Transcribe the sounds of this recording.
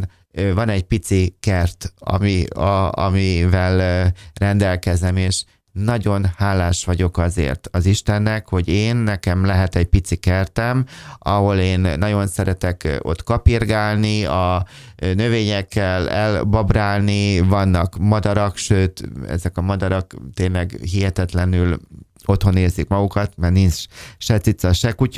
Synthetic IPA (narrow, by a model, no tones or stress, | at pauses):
n | vɒnɛɟpit̪sikɛrt̪ɒ̰miɒ̰mivɛlrɛnd̪ɛlkɛzɛmeːʃ | nɒɟo̞nhaːlaːʃʋɒɟo̞kɒzḛːrt̪ɒziʃt̪ɛnːɛkho̞ɟeːnːɛkɛmlɛɦɛt̪ɛɟ̚pit̪sikɛrt̪ɛmɒɦo̞leːnːɒɟo̞nsɛɾɛt̪ɛko̞̰t̪kɒpirɡaːlniɒ | nø̞veːɲɛkːɛlɛlbɒbraːlnivɒnːɒkmɒd̪ɒɾɒkʃøːt̪ɛ̰zɛkɒmɒd̪ɒɾɒkt̪ːeːnlɛɡɦiɦɛt̪ɛt̪lɛnyl | o̞t̪ho̞neːzikmɒɡukɒt̪mɛrninsʃɛt̪sit̪sɒʃɛkuc